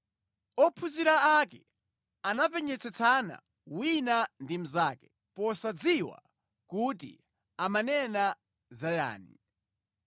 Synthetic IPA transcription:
ɔpʰuziɾaakɛ | anapɛɲɛt͡sʰɛt͡sʰana̰ | winandim̩zaːkɛ̥ | pɔsad͡ziwa̰ | kutḭ | amanɛna | zaja̰ːnḭ

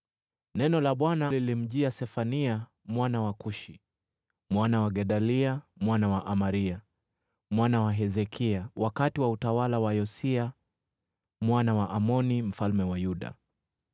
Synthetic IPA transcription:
nɛnɔlaɓwanalilim̩ʄiasɛfania | mwanawakuʃi | mwanawaɠɛɗaliamwanawaʔamaɾia | mwanawaɦɛzɛkʰiawʔakatiwautawalawajɔsia | mwanawaʔamɔnim̩falmɛwajuɗa̰

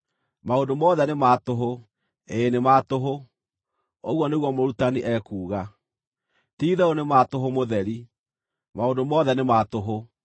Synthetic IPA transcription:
maondomɔðɛnemaːtoɦo | eːnemaːtoɦo | oɣwɔneɣwɔmoɾutaniʔɛːkuːɣa | tiːðɛonematoɦomoðɛɾi | maondomɔðɛnematoɦo

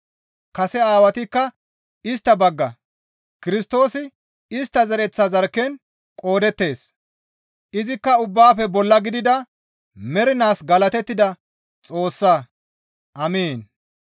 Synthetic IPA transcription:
kɐsɛaːwɐt̪ɪkːɐ | ɪst̪ːɐbɐɡːɐ | kɪɾɪst̪o̞ːsɪ | ɪst̪ːɐzɐɾɛt͡sːɐzɐɾkːɛn | kʼo̞ːd̪ɛt̪ːe̞ːs | ʔɪzɪkːɐʊbːaːfɛbɔlːɐɡɪd̪ɪd̪ɐ | mɛɾɪnaːsɡɐlɐt̪ɛt̪ːɪd̪ɐ | t͡sʼo̞ːsːɐ | ʔɐmeːn

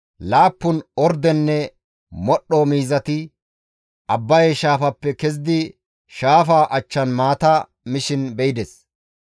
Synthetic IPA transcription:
laːpːʊnɔɾd̪ɛnːɛ | mɔɗːɔmiːzɐt̪ɪ | ʔɐbːɐjɛʃaːfɐpːɛkɛz̬ɪd̪ɪ | ʃaːfaːʔɐt͡ʃːɐnmaːt̪ɐ | mɪʃɪnbɛɪd̪ɛs

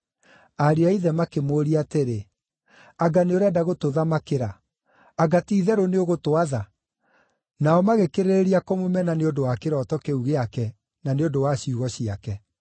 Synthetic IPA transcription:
aɾeaiðɛmakemoːɾiateɾe | aɡaneoɾɛdaɣotoðamakeɾaː | ɡatiːðɛɾoneoɣotoaða | naɔmaɣekeɾeeɾiakomomɛnaneondowakeɾɔtɔkeuɣeakɛ | naneondowaɕiuɣɔɕiakɛ

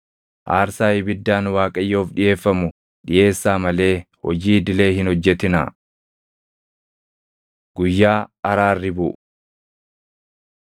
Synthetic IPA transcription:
ʔaːɾsaːjɪbɪd̪ːaːnwaːkʼɐjːo̞ːfᶑɪje̞ːfːɐmʊ | ᶑɪje̞ːsːaːmɐle̞ːhɔ̰d͡ʒiːd̪ɪle̞ːhɪnhɔd͡ʒːɛt̪ɪna̰ | ɡ̥ʊjːaːɐɾaːrːɪbʊʔ

